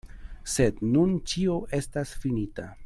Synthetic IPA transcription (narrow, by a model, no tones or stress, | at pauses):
se̞d̪nunt͡ʃio̞ʔe̞stasfinita̰